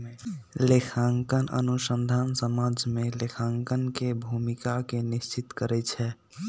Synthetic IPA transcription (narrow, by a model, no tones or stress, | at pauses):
lekʰaŋkənə̰nusənd̪ʱansəmad͡ʒmelekʰaŋkənkebʱumikakenist͡ʃit̪kəɾɛt͡ʃʰɛ